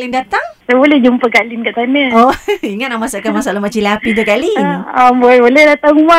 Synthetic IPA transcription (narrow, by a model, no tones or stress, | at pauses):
kalindat̪aŋsajbolɛhd͡ʒumpəkalinkaʔt̪anəoiŋat̪̚nahmasaʔkanmasalaɦmaʔt͡ʃilaapit̪̬ukaliaboɛbolɛhdat̪aŋuma